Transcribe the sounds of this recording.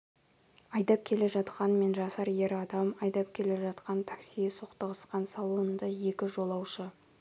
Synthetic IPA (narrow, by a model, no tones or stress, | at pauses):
ɑjd̪ɑp̚kʲʰe̞le̞ʒɑt̪qɑnme̞nʒɑsɑɾje̞ɾɑd̪ɑmɑjd̪ɑp̚kʲʰe̞le̞ʒɑt̪qɑnt̪ʰḁksijesoqt̪əʁəsqɑnsɑlˠuənnd̪əje̞kʲɪʒo̞lˠɑwʃə